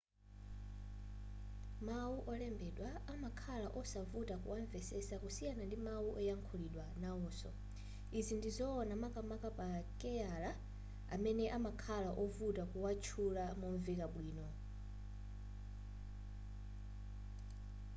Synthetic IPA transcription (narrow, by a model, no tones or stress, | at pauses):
mawuʔɔlɛmbɛɗwaamakʰalaʔɔsavutakṵwaɱvɛsɛsakusijanandimawuʔɔjaŋkʰuliɗwanaɔːsɔ̰ | izindizɔːnamakamakapakɛjala | a̰mɛnɛʔamakʰalaʔɔvutakuwat͡ʃʰulamɔɱvɛkaɓwiːnɔ